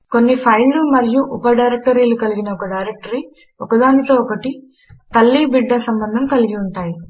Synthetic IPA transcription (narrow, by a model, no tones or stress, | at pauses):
ko̞nːipʰɐjllumɐɾijuʔupɐɖɐjɾek̚ʈɐɾiːlukɐliɡinɐɔkɐɖɐjɾek̚ʈɐɾi | ɔkɐd̪aːnit̪oːɔkɐʈi | t̪ɐlːibiɖːɐsɐmbɐnd̪ʱɐmkɐliɡiuɳʈaːji